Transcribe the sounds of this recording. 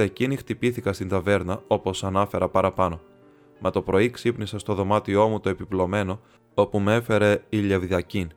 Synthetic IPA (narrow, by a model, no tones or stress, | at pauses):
ecinixt̪ipiθikɐst̪ind̪ɐve̞ɾnɐo̞po̞sɐnɐfe̞ɾɐpɐɾɐpɐno̞ | mʔɐt̪o̞pɾo̞iksipnisest̪o̞ðo̞mɐt̪io̞mut̪o̞e̞piplo̞me̞no̞ | o̞pume̞fe̞ɾe̞iʎe̞vðiɐcin